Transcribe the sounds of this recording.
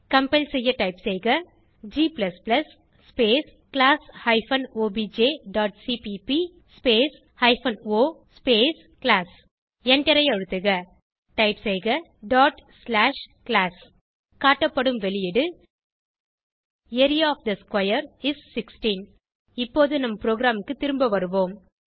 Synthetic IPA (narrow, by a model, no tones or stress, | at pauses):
kɐmpɛlsɛjːɐʈɐɪpsɛɪɣɐ | d͡ʒiːplɐsplɐsː | peːs | kɪlaːshɐɪfɐnoːbiːd͡ʒeːɖaːʈ̚siːpipi | speːs | hɐɪfɐnoːspeːs | klaːs | ɛnɖɛɾɐɪjɐɻɯt̪ːɯɣɐ | ʈɐɪpsɛɪɣɐ | ɖaːʈslaːʂklaːs | kaːʈːɐpːɐɽɯmʋɛɭɪjɪɽɯ | eɾɪjaɔfd̪ɐskwɐjɐɾɪsːɪksʈiːn | ɪpːoːðɯnɐmːɐpɾoːɡɾaːmɯkːɯt̪ɪɾɯmbɐʋɐɾɯʋoːm